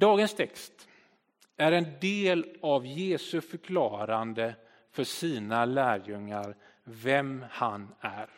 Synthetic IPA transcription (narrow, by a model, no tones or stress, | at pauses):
d̪̥ɑːɡənst̪ʰɛkst̪ | æɾɛnd̪eːlavjeːsɵfœɾkʰlɑːɾand̪ə | fœʂiːnalæːɾjɵŋːaɾ | vɛmhanæɾ